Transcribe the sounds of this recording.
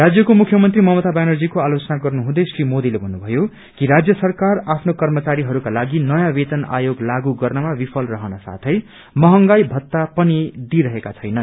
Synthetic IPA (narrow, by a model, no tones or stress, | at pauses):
rad͡zjʌkomukʰjʌmʌnt̪rimʌɦmʌt̪abanʌrd͡zikoalot͡sʌnaɡʌrnuɦũd̪ʌjsrimod̪ilebʱʌnːubʱʌjo | kiɾad͡zjʌsʌrkarapʰnokʌrmʌt͡saɾiɦʌɾukalaɡinʌjãbet̪ʌna̰joɡlaɡuɡʌrnʌmabipʰʌlrʌɦʌnʌsa̰t̪ʰʌj | mʌɦʌŋɡajbʱʌt̪ːapʌnid̪iɾʌɦekat͡sʰʌjnʌn